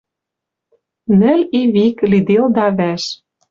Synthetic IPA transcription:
nɘ̆lʲiβiklid̪eld̪ɑβæʃ

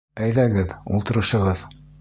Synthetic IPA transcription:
æjðæɡɘðṵlˠt̪ɤ̆ɾɤ̆ʃɤ̆ʁɤð

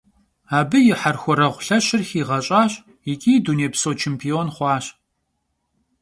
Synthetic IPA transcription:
aːbɨjɪħarxʷɔɾɐʁʷɬɐɕɪrxiːʁɐɕʼaːɕ | jɪkʲʼiːduːneːpsoːt͡ʃʰempʰioːnχʷɑːɕ

